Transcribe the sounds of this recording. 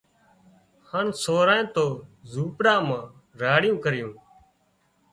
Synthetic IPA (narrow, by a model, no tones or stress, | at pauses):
haːnsoːɾãːẽːt̪oːzuːpɽãːmãː | ɾaːɽɪjũːkəɾjũː